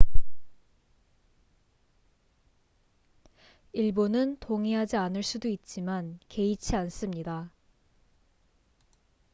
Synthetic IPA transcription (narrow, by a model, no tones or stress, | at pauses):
iɭbonɯntoŋiɦad͡ʑianɯɭs͈udoit̚t͡ɕ͈imanke̞it͡ɕʰians͈ɯmɲida